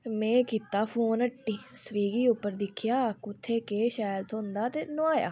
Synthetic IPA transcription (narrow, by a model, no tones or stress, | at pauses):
mɛ̃ːkiːt̪ːaːpʰoːnəʈːiːsəʋiːɡiːʊpːəɾd̪ɪkʰjaːkʊt̪ʰːeːkeːʃaːjəlt̪ʰond̪aːt̪eːnoaːja̰ː